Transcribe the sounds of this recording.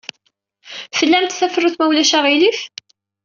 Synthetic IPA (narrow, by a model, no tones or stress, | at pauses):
fəlːæmt̪θæfɾuθmæwlæʃæʁilif